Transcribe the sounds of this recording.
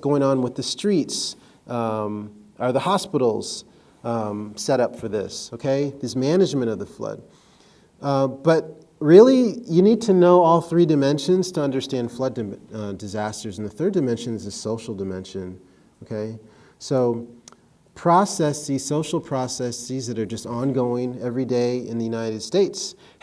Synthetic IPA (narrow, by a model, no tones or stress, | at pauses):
ɡ̥oʊɪ̃ŋə̃nwəðɨstɹ̥its | ə˞ðəhɑspɪɾl̩ˠz̥ | sɛɾʌpfə˞ðɪsoʊkʰeɪðɨzmænɨd͡ʒmɨ̃ɾ̃ʌvðɨflʌ̰d̚ | b̥ʌt̚ | ɹɪlˠijɨnid̚tʰɨnoʊɔlˠθɹidɨmɛ̃nʃɨ̃nz̥tʰɨʌ̃ndə˞stæ̃nd̥flʌdɨdɨzæstə˞zn̩ðɨθɜ˞dɨmɛ̃nʃɨ̃nɨzɨsoʊʃl̩ˠdɨmɛ̰̃nʃɨ̃n | oʊkʰeɪ | soʊ | pʰɹ̥ɑsɛsisoʊʃl̩ˠpʰɹ̥ɑsɛsizðɨɾə˞d͡ʒʌstɑ̃nɡoʊɪ̃ŋɛvɹideɪɨ̃nðɨjʉnaɪɾɨd̥steɪts